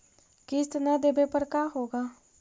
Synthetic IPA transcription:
kɪst̪nɛd̪eːbepəɾkaːɦoːɡaː

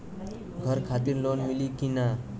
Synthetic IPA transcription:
ɡʱʌɾkʰat̪iɾlonmilikina

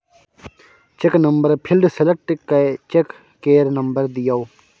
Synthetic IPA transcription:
t͡ʃeknɐmbəɾpʰilɖselek̚ʈkɐt͡ʃekː | eːɾnɐmbəɾd̪ijaw

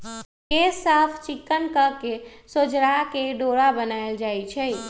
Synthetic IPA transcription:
kesːapʰt͡ʃɪkːənkəɾkesod͡ʒɾakeɖoɾabənaeld͡ʒajt͡ʃʰɛ

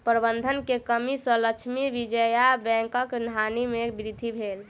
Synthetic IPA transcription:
pɾəbənd̪ʱənkekəmisə̃ləkt͡ʃʰmiʋid͡ʒəjabɛ̃ŋkəknɦanimebɾid̪ʱibʱel

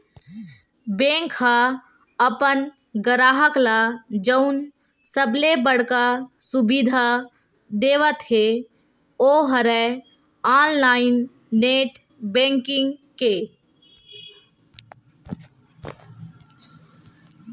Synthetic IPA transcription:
bẽːŋkha | əpən | ɡəɾaːɦəklad͡ʒəʊn | səblebəɽkasubid̪ʱa | d̪eːʋət̪ɦe | oɦəɾɛ | aːnlaːɪnː | eːʈ | bẽːŋkɪ̃ŋɡke

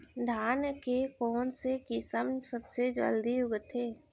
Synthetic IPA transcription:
d̪ʱaːnjəkekɔːnsekɪsəmsəbsed͡ʒə̰ld̪iʊɡt̪ʰeː

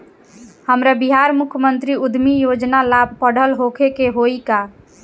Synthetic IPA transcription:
həmɾabiɦaɾmukʰjmənt̪ɾiud̪ʱmijod͡ʒnalab̚ʱpəɽ̤əlɦokʰekeɦoika

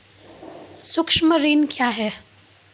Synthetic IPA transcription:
sʊkʃməɾiːnkjaːɦɛː

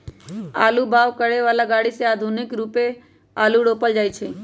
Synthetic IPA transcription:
a̰ːlubaʋkəɽeʋaːlaɡaːɽiseaːd̪ʱunɪkɾupe | aːluɽopəld͡ʒaːjt͡ʃʰe

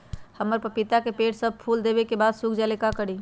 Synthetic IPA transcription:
həmːəɾpəɾpit̪akepeʈsəb̚pʰuld̪ebekebad̪sukʰd͡ʒalekakəɽi

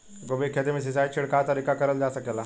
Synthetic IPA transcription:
ɡobeːkʰjəd̪emẽs̬ɪsaːit͡ʃʰɪɽkat̪ɐɾikakɐɾəld͡ʒaːsɐkelaː

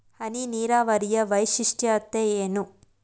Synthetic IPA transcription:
hɐniniːɾaːʋɐɾijɐʋɐjʃiʂʈjɐːt̪ːeeːnu

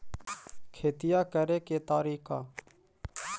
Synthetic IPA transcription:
kʰeːt̪ɪjaːkəɾeːkeːt̪aːɾiːka̰ː

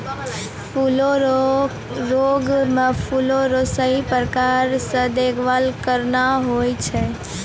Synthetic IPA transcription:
pʰulo | ɾoɡmepʰuloɾosəɦipɾəkaɾsə̃d̪ekʰʋalkəɾnaɦojt͡ʃʰɛ

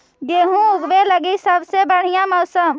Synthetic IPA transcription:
ɡeːɦũʊɡʋeləɡisəbsebəɽ̤ijãmɐʊsəm

